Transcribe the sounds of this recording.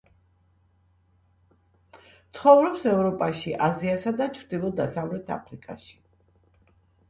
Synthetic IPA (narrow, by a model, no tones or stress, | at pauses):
t̪sʰχɔvɾɔpsɛvɾɔpʼaʃiʔaziasad̪at͡ʃʰɾd̪ilˠɔd̪asavlɛt̪ʰa̰pʰɾikʼa̰ʃi̥